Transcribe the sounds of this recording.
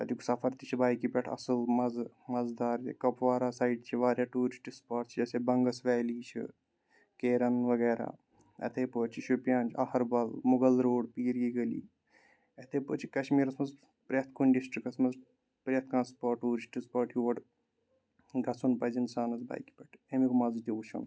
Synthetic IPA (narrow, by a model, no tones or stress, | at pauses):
ɐt̪iksɐfʰɐɾt̪it͡ʃʰibaːjkipʲɛʈʰɐ̰sɨlmɐz | mɐzd̪aːɾḭkɐpʋaːɾaːsaːiɖt͡ʃʰiʋaːɾjaːʈuːɾt͡ʃʰʈispɐːʈt͡ʃʰid͡ʒɐsebɐŋɡɐsʋɛːliːt͡ʃʰḭ | keːɾɐnʋɐɡɛːɾa̰ː | ḛt̪ʰeːpoːt͡ʃʰiʃupʲjaːnʲt͡ʃʰɐhɐɾbɐlmʊɡɐlɾoːɖpiːɾiːɡɐlḭː | ɐt̪ʰeːpo̰ːt͡ʃʰi̥kɐʃmiːɾɐsmɐz | pɾet̪̚ʰkuɳɖisʈɾikɐsmɐz | pɾet̪kãːnspɐːʈːuːɾt͡ʃʰʈispɐːʈʰjuʋɐʈ | ɡɐt͡sʰunpɐzʲinsaːnɐzba̰ːjki̥pʲɛʈʰemikmɐzt̪ʲiut͡ʃʰɐ̰n